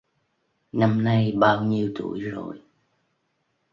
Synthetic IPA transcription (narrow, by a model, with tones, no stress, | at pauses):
na˧mna˧jɓaː˧wɲi˧əwt̪ṵ˧˩əjzo̰˨˩j